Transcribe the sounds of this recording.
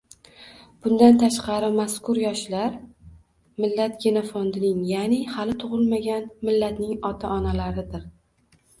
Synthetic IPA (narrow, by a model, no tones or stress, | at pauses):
b̥ʊnd̪ant̪ʰaʃqɑɾɪmaskʰʊɾjɒʃlaɾ | mɪlːat̪ɡʲenofɒnd̪ɪnɪŋjanɪhalɪt̪ʰʊʁɨlˠmaɡʲanmɪlːat̪nɪŋɒt̪ʰaʔɒnalaɾɪd̪ɪɾ